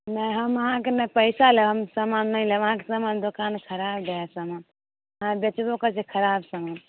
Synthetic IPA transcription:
najɦəməɦãkenəpəɪsaleɦəmsamanːəɪleʋəɦãke̥samand̪okankʰəɾab̚d̪eɛsaman | ɦãbet͡ʃbokət͡ʃʰekʰəɾabsaman

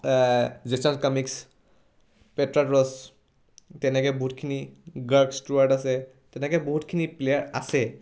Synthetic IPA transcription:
zesɔnskɔmiks | petɹaʈɹɔs | tɛnɛkɔboɦutkʰiniɡaɹksʈuaɹʈasɛ | tɛnɛkɛboɦutkʰiniplejaɹa̰sɛ

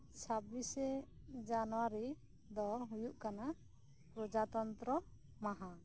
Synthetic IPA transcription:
t͡ʃʰabisɛ | d͡ʒanɔwaɾi | d̪ɔɦujuʔkana | pɾɔd͡ʒat̪ɔnt̪ɾɔ | maɦa

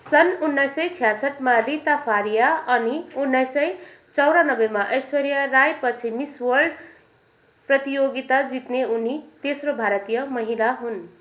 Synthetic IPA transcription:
sʌnunːʌjsʌjt͡sʰijasʌʈmarit̪apʰaɾijaʌniunːʌjsʌj | t͡sʌwɾanʌbemaʔʌjswʌɾijʌrajpʌt͡sʰimiswʌrɖ | prʌt̪ijoɡit̪ad͡zit̪neunit̪esrobʱaɾʌt̪ijʌmʌɦilaɦun

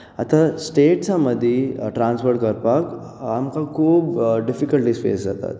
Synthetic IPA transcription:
at̪asʈeːʈt͡saməd̪ʱjeʈɾãnsfəɾʈ̚kəɾpak | amkakʰuːbɖifikəlʈispḛːszat̪a̰t̪̚

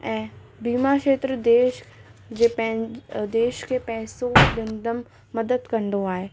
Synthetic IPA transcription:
ɛ̃ː | biːmaːkʃeːt̪ɾəd̪eːʃd͡ʒepɛd̪eːʃkepɛːsoɡə̃nd̪əmː | ɐd̪əd̪kɐɳɖ̪oaːeː

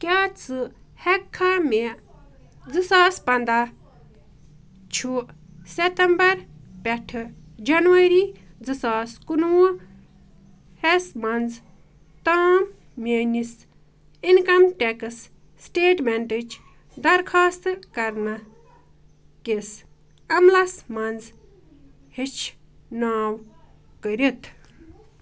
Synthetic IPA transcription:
kʲjat͡sɨhɛkʰːame | d͡zɨsaːspɐnd̪a | t͡ʃʰu | set̪embɐɾpʲɛʈʰɨd͡ʒɐnuʋɐɾiː | d͡zɨsaːskunuo | hesmɐnd͡z | t̪am | menis | inkɐmʈekɨs | sʈeːʈmeɳʈɨt͡ʃʰ | d̪ɐɾkʰaːst̪kɐɾnɐ | kes | ɐmlɐsmɐnd͡z | hit͡ʃʰnaːwkəɾit̪ʰ

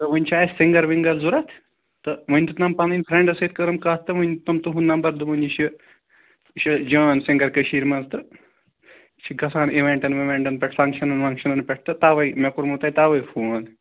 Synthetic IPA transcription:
t̪ɐʋɐnʲt͡ʃʰaːssiŋɡɐɾʋiŋɡɐlzuɾɐt̪ʰ | t̪ɐʋɐnʲt̪ɨt̪nɐmpɐninʲpʰɾẽɳɖɐset̪̚kɐɾɐmkaːt̪t̪ːɨʋɐnʲt̪ɐmt̪uɦunnɐmbɐɾd̪uʋɐniʃʰi | ʃid͡ʒɐːnsĩŋɡɐɾkɐʃiːɾmɐnzt̪ɨ | t͡ʃʰiɡɐsaːniʋẽɳʈɐnʋɐʋẽɳʈɐnpʲɛʈʰfɐŋkʃɐnɐnfʰɐŋkʃɐnɐnpɛʈ̚ʰt̪ɨt̪aːʋɐjmekuɾmut̪ɐːit̪aːʋɐjfʰoːn

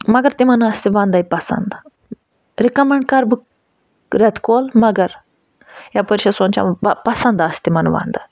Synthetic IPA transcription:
mɐɡɐɾt̪imɐnast̪iʋãːnd̪aipɐsɐ̰nd̪ | ɾikɐmeɳɖkɐɾbɨ | ɾet̪koːlmɐɡɐɾ | japəɾʃɐsoːnt͡ʃʰa̰mɐpɐsɐnd̪ast̪imɐnʋã̰ːnd̪a

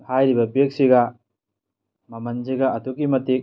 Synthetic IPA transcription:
hajɾibɐpiek̚siɡa | mɐmɐnd͡ʒiɡaɐtukimɐtik̚

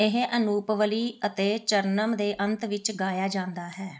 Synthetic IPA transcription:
ɪɦʔənuːpʋəliːət̪eːt͡ʃəɾnəmd̪eːʔə̃nt̪ʋɪt͡ʃɡaːjaːd͡ʒãːnd̪aːɦɛː

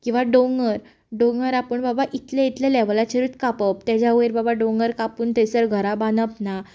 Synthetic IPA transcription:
kĩw̃ʋaɖõŋɡəɾ | ɖõŋɡəɾapəɳbabaʔit̪lãit̪lelaʋlat͡ɕeɾut̪kapəp̚t̪jad͡ʑjaueɾbabaɖõŋɡəɾkapuːnt̪əsəɾɡʱəɾabanəpna

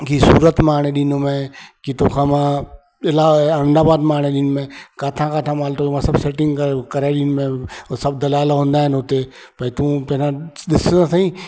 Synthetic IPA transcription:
kisuːɾət̪maːɳ̃eɗiːnomẽkit̪oːkʰãːmãː | ɪlaɐɾə̃nd̪aːbaːd̪maːɽ̃eɗiːnmẽːkaːt̪ʰãkaːʈʰãmaːlt̪omãːsɐbseːʈɪ̃ŋɡkɐɾaɗiːnmẽsɐbd̪ɐlaːlɦõːnd̪aːɦɪnɦʊt̪e | pɐit̪ũːpɐ̃ɦɪɾãɗɪsãsãːĩː

